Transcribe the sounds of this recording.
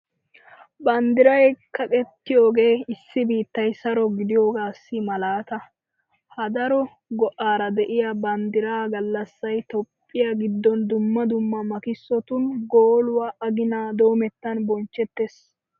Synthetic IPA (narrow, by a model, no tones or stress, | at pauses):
bɐnd̪ɪɾɐjkɐkʼɛt̪ːɪjo̞ːɡe̞ːɪsːɪbiːt̪ːɐjsɐɾɔɡɪd̪ɪjo̞ːɡaːsːɪmɐlaːt̪ɐ | hɐd̪ɐɾɔ | ɡɔʔaːɾɐd̪ɛʔɪjabɐnd̪ɪɾaːɡɐlːɐsːɐjt̪ɔpʼːɪjaɡɪd̪ːɔnd̪ʊmːɐd̪ʊmːɐmɐkɪsːɔt̪ʊnɡoːlʊwaːʔɐɡɪnaːd̪o̞ːmɛt̪ːɐnbɔnt͡ʃːɛt̪ːes